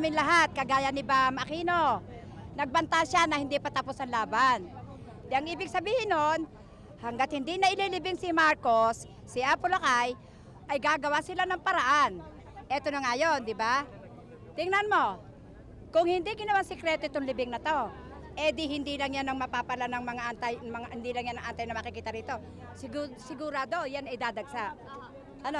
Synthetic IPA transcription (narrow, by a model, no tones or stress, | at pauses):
amɪnlɐɦat̪̚kɐɡaːjɐnɪbamɐkiːno | nɐɡ̚bɐnt̪aʃanɐhɪnd̪ipɐt̪ɐpusɐnlaːban | d̪ɛʔɐŋʔiːbɪɡ̚sɐbiːhɪnːon | hɐŋɡat̪̚hɪnd̪inɐʔɪlilɪbɪŋsɪmaɹkosː | ɪʔapolakaj | ʔɐjɡaːɡɐwasɪlanɐŋpɐɾaʔan | ʔɛt̪onɐŋajond̪ɪba | t̪ɪŋnɐnmo̞ | kʊŋhɪnd̪iɡɪnɐwaŋsɪkɾɛt̪oɪt̪oŋlɪbɪŋnɐt̪o̞ | ʔɛd̪ihɪnd̪ilɐŋjanɐŋmɐpapalanɐŋmɐŋaʔant̪ajmɐŋahɪnd̪iːlɐŋjanɐŋʔant̪ajnɐmɐkɪkiːt̪ɐɾiːt̪o̞ | sɪɡsɪɡʊɾaːd̪o̞janɐjd̪aːd̪ɐɡsaʔ | ʔɐno